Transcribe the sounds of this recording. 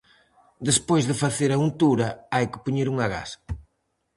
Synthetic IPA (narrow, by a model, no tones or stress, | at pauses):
d̪espojzðɪfaθeɾɐunt̪uɾɐajkɪ̥poɲeɾuŋɐɣa̰sɐ̥